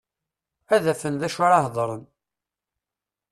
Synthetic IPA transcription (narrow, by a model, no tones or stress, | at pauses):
æðæfənðæʃʊɾɑɦðˤɾˤən